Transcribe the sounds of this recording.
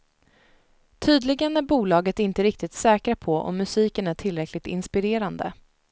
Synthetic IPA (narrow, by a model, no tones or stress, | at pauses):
t̪ʰyːd̪lɪɡənæɾbuːlɑːɡət̪ɪnt̪əɾɪk̚t̪ɪt̪sɛːkɾapʰɔʔɔ̰mːɵsiːkənæʈʰɪlːɾɛkʰlɪt̪ɪ̰nspɪɾeːɾand̪ə̰